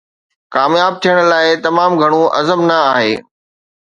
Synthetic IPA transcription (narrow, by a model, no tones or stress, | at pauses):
kaːmjaːb̚t̪ʰijəɽ̃̆laːɪt̪ɐmaːmɡʱɐɽ̃ũʔɐzəmnɐaːɦḛː